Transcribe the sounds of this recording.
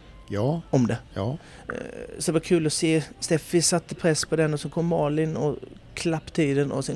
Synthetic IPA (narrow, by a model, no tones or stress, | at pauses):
jɔmd̪ɛ | sɔd̪ɛvakʰʉ̟ːlɔseːst̪eːfɪsat̪ːəpʰɾɛsːpʰɔd̪ɛnːɔsɛnkʰɔmːɑːlɪnɔ̰ | kʰlapːt̪ʰiːd̪ənɔ̰sɛn